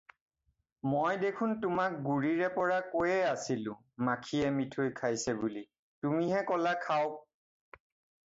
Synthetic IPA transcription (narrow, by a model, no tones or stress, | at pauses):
mojdekʰʊntʊmak̚ɡuɹiɹɛpɔɹakojɛasilʊ̃ | makʰiɛmitʰojkʰajsɛbuli | tumiɦɛkɔlakʰaʊk̚